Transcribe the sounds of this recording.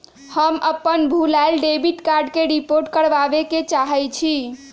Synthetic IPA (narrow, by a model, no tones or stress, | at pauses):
həmʔəpːənbʱulalɖebiʈkaɾɖkeɾipoɾʈkəɾʋabeket͡ʃaɦɛjt͡ʃʰi